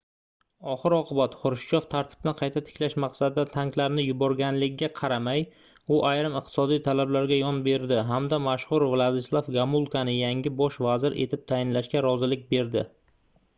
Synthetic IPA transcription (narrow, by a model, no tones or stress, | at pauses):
ɒχɨɾɒqʰɨbat̪χʊɾʃt͡ʃʰɒft̪ʰaɾt̪ʰɪ̥b̥̚nɪqʰɑjt̪ʰat̪ʰɪ̥kʲlaʃmaqsad̪ɪd̪at̪ʰaŋklaɾnɪjʊbɒɾɡʲanlɪɡʲɪɡʲaqʰɑɾamaj | ʊʔajɾɪmɪɨq̚t̪ʰɪ̥sɒd̪ijt̪ʰalablaɾɡʲajɒnbe̞ɾd̪ɪɦamd̪amaʃχʊɾvlˠad̪ɪslˠafɡamulˠkʰanɪjaŋʲɪbɒʃvazɪɾʔḛt̪ʰɪp̚t̪ʰajɪnlaʃkʲaɾɒzɪlɪk̚ʲbe̞ɾd̪ɪ